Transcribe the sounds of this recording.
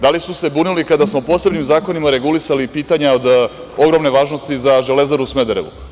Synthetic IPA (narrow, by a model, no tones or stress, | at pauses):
d̪alisuse̞buːnilikad̪asmo̞po̞ːse̞bnimzaːko̞nimaɾe̞ɡulisalipiːt̪aɲaod̪ | o̞ɡɾo̞mne̞ʋaːʒno̞st̪izaʒele̞zaɾusmed̪eɾḛʋṵ